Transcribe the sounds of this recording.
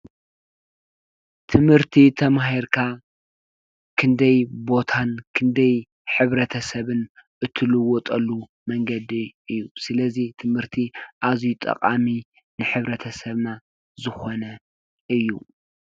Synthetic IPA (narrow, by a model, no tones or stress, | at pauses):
t̪ʰɨmhɨɾt̪ʰit̪ʰɐmahiɾkʰa | kʰɨnd̪ɐjbo̞t̪ʰankʰɨnd̪ɐj | ħɨβɾɐt̪ʰɐsɐβɨnʔɨt̪ʰːɨlɨwɔt̪ʼɐlːu | mɐŋɡɐd̪iʔɨjːusɨlɐzit̪ʰɨmhɨɾt̪ʰiʔazijut̪ʼɐ̰qʼami | nɨħɨβɾɐt̪ʰɐsɐβna | zɨxo̞nɐ | ʔɨjːṵ